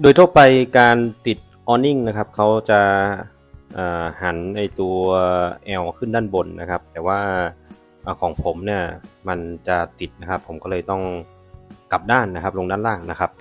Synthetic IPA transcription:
doː˧jt̪ʰuː˥˩pa˧jkaː˧nt̪i˨˩t̪̚ʔɔː˧ni˥˩ŋna˦˥kʰa˦˥p̚kʰa˦˥wt͡ɕa˨˩ʔ | ʔaː˨˩ha˩˦nːa˧jt̪u˧ɐʔɛː˧wkʰɯ˥˩ndaː˥˩nbo˧nːa˦˥kʰa˦˥p̚t̪ɛː˨˩waː˥˩ | ʔaː˨˩kʰɔː˩˦ŋpʰo˩˦mni˥˩ɐma˧nt͡ɕa˨˩t̪i˨˩t̪̚na˦˥kʰa˦˥pʰːo˩˦mkɔː˥˩lɤː˧jt̪ɔ˥˩ŋ | ka˨˩p̚daː˥˩nːa˦˥kʰa˦˥p̚lo˧ŋdaː˥˩nlaː˥˩ŋna˦˥kʰa˦˥p̚

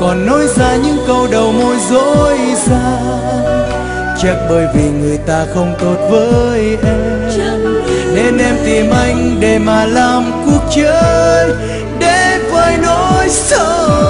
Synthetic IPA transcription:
kɔ˨˩nːɔ˨˦jzaː˧ɲɨ̰˧˥ŋkə˧wɗə˨˩wmo˧jzo˧˥jzaaː˧ | t͡ɕə˧˥k̚ɓəː˧˩jvi˨˩ŋɨ˨˩əjt̪aː˧xə˧wŋ͡mt̪o˧˩t̚vəː˨˦jʔɛ˧ | mne˧nʔɛ˧mt̪i˨˩mʔa˧jŋ̟ɗe˨˩maː˨˩laː˨˩mku˧˩ək̚t͡ɕəː˦j | ɗe˧˩vəː˧jnɔ˧˦jsə˧

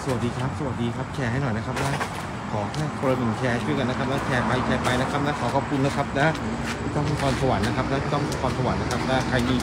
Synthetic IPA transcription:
sa˧˩˨a˨˩t̚diː˧kʰɾa˦˥p̚sa˧wa˨˩t̪̚diː˧kʰɾa˦˥p̚t͡ɕʰɛː˧ɦa˥˩jnɔ˨˩jna˦˥kʰa˦˥p̚lɛ˦˥ | kʰɔː˩˦kʰɛː˥˩kʰo˧la˧nɯ˨˩ŋkʰɛː˧˦t͡ɕʰu˥˩jka˧nːa˦˥kʰa˦˥p̚lɛː˦˥kʰɛː˧pa˧jkʰɛː˧pa˧jna˦˥kʰa˦˥p̚lɛ˦˥kʰɔː˩˦kʰɔː˨˦p̚kʰu˧nːa˦˥kʰa˦˥p̚lɛ˦˥ | iː˧˩t̪ɔ˥˩m˦˩tʰɔː˧nsa˧wa˨˩˦nːa˦˥kʰa˦˥p̚lɛ˦˥˦t̪ɔ˥˩ŋʰ˦˩t̪ʰɔː˧nsa˧wa˨˩˦nːa˦˥kʰa˦˥p̚lɛː˦˥kʰa˧jniː˧˩

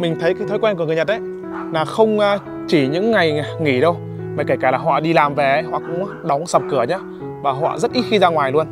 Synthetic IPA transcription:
mï˨˩ŋ̟t̪ʰə˨˦jkaː˨˦jt̪ʰə˨˦jkwɛ˧nkkɨ˧˩˨ɲə˨˩t̚ʔə˨˦j | laː˨˩xə˧wŋ͡mː | t͡ɕi˧˩ɲɨ̰˧˥ŋːa˨˩jŋi˧˩ɗə˧w | maː˨˩ka˧˩kaː˧˩laː˨˩ɦɔ̰˧˨ɗi˧laː˨˩mve˨˩ə˨˦jɦwɔ̰ː˨˩kʊ̰˧˥ŋ͡mɗɔ˨˦wŋ͡msə˨˩p̚kɨ˧˩əɲaː˨˧˦ | vaː˨˩ɦɔ̰˧˨zə˦˥t̚ʔi˦˥t̚xi˧zaː˧ŋwaː˨˩jlu˧ən

